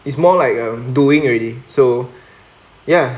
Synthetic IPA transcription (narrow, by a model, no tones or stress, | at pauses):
itsmɔlaɪkʌ̃mduɪ̃ŋɹɛliso | ja